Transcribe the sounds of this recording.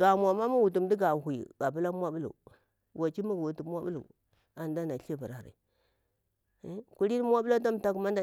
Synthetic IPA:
ɡa˨mu˨a˨ma˦mu˦wu˨tu˨mdi˦ɡa˨hʷṵ˨ɡa˨bu˦la˦mʷ˦a˦bu˦lṵ˨ | wa˨t͡ʃi˦mu˦ɡwu˨tu˨˦mʷ˦a˦bu˦lṵ˨ | a˨n˨da˦na˨ɬa˦ba˨ɾa˨ɾa̰˨˦ | ku˦ɾi˦n˦mʷ˦a˦bə˦la˦ta˦m˨ta˦ku˨ma˦n˦da˦

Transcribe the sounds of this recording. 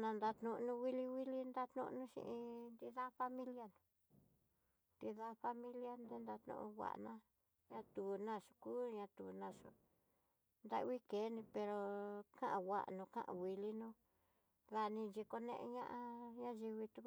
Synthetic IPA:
nã˧nd̪a˧t̪nũ˧nũ˧wi˦li˧wi˦li˦nd̪a˦t̪nṵ̃˧ʔnũ˦ʃḭ̃˧ʔĩ˧nd̪i˧ða˦fa˦mĩ˦lja˦nũ˨˧ | d̪i˧ða˦ɸa˧mĩ˦lja˦nd̪e˦nd̪a˧t̪nṵ̃˧ʔũ˧wʷa̰˨ʔnã˦ | ɲã˧t̪u˨nã˦˧˨ʂu̥˧kuː˦ɲã˧t̪ṵː˨nã˧˨ʂo̰˧ | nd̪a̰˦ʔwi˦ke˨˦nĩ˧pe˧ɾo˧kã˦ʔã˧wʷa̰˨ʔnũ˧kã̰˦ʔã̰˨wi˧li˦nũ˦ | ða˧nĩ˧nt͡ʃi˧ko˧nḛ̃˧ʔe˧ɲã̰˦ʔã˧ɲã˦ʒi˧βi˧t̪u˧k

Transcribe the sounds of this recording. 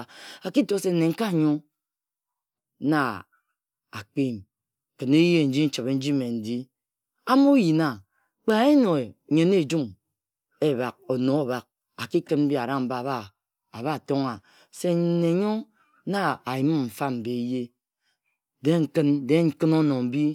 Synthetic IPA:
a˨ki˦to˨se˨n̩˨ne˨ŋ̩˦ka˦˨ɲo˦ | na˨ | a̰˨k͡pe˦˨m˨ | kɨ˨ne˦je˦˨n̩˦d͡ʒi˦n̩˦t͡ʃɨ˨be˨˦n̩˦d͡ʒi˦me˨n̩˨di˦ | a˦mo˦ji˨na˨ | k͡pa˨˦e˦no˨e˨ɲe˨˦ne˦˨d͡ʒu˦m | e˦ba˨k̚o˨no˨a˨ba˨k̚ | a˨ki˦kɨ˦nm̩˦bi˦a˨ɾa˦m̩˦ba˨ba˦ | a˨βa˦˨to˦ŋa˨ | se˦˨ne˨˦ɲo˦ | na˦a˨ji˨˦m˦m̩˨fa˦m̩˨be˨˦je˦ | de˦ŋ̩˨kɨ˦nde˦ŋ̩˦kɨ˦no˦no˨m̩˦bi˦

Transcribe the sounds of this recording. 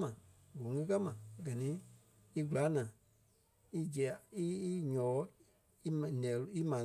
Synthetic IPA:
mã˨wo˨˦ŋĩ˦ka˦mã˨ɡɜ˨nĩ˦ | i˦ɡu˨la˨˦nãː˨ | i˦d͡ʒɛ˨a˨i˦ɲɔ̃ː˨˦ | i˦˨nɛ̃˨lu˨˦i˦mãː˨

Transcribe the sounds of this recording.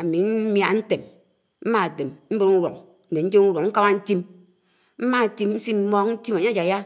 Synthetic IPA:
a˨mi˨˦m˦a˨n̩˦te˨m | m̩˦ma˦˨de˨mm̩˦be˦ɾu˦ɾo˨ŋ | n̩˦ne˨n̩˦d͡ʒe˦u˦wo˨ŋŋ̩˦ka˦ma˦n̩˦ti˦m | m̩˦ma˦˨ti˦mn̩˦si˦m̩˦mɔ˦kn̩˦ti˦ma˨ɲa˦d͡ʒa˨ja˦

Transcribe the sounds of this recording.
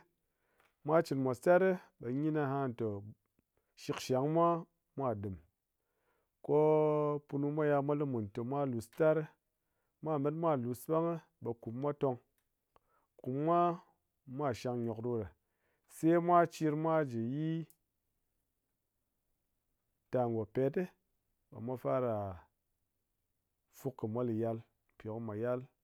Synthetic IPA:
mʷa˦t͡ʃi˨nmʷa˨sta˦ɾɨ˦ɓe˨ɲi˦na˧ɦa˦˨n˨to˨ | ʃi˧kʃa˨˦ŋmʷa˦ | mʷa˦˨dɨ˨m | ko˦pu˧nu˦mʷa˦ja˧mʷa˦lɨ˦mu˨n˨to˨mʷa˦lu˨sta˦ɾ | mʷa˦˨me˦t̬mʷa˦˨lu˨sɓa˦ŋɨ˦ | ɓe˨ku˨pmʷa˦to˧ŋ | ku˨pːʷa˦ | mʷ˦a˦˨ʃa˧ŋɲo˨kɾu˦ɾe˨ | se˦mʷa˦t͡ʃi˧ɾmʷa˦d͡ʒe˨ji˦ | ta˨ŋɡo˨pe˨tɨ˦ | ba̰˨mʷa˦fa˦ɾa˨ | fu˦kːɨ˨mʷo˦li˨ja˦l | pʲo˨kɨ˦mʷa˨ja˦l

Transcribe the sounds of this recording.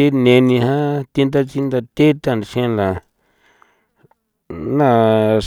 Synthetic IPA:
i˦nẽ˧nĩ˧ɦã˦t̪i˧nd̪a˦t͡ʃi˦nd̪a˧t̪e˦t̪ã˧˨n˨˧ʃẽ˧la˨ | nã˧

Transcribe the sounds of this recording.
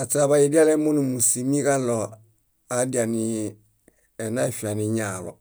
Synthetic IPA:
a˨t͡sa˨ba˨ji˨di˦a˦lɛ˦mo˦ni˨mu˨si˨mi˦ka˦lɔ˨ | a˨˦di˨a˨ni˨ | ɛ˨na˦i˨fi˨a˨ni˨ɲa˨lɔ̰˨

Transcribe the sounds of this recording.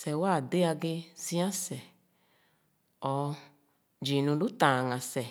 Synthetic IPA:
sɛ˨wa˦˨de˦a˧ɡe˧zĩ˦ã˦sɛ˨ | ɔ˨ | d͡ʒi˨nũ˧lu˦tã˨ŋã˨sɛ˨

